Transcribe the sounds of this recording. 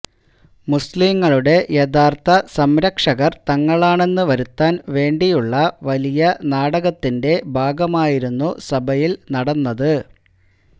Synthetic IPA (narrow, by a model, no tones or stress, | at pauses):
musliːŋːɐɭuɽe̞jed̪aːrt̪ɐsɐmɾɐkʂɐɣɐrt̪ɐŋːɐɭaːɳe̞nːɨʋɐɾut̪ːaːnʋe̞ːɳɖijuɭːɐʋɐlijɐnaːɽɐɣɐt̪ːinde̞bʱaːɡɐmaːjiɾunːusɐbʱɐjilnɐɽɐnːɐðɨ